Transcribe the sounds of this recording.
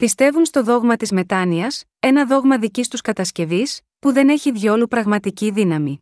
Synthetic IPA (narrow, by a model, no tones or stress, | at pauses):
pist̪e̞vunst̪o̞ðo̞ɣmɐt̪izme̞t̪ɐniɐs | e̞nɐðo̞ɣmɐðicist̪uskɐt̪ɐsce̞vis | puðe̞ne̞çiðʝo̞lupɾɐɣmɐt̪iciðinɐmi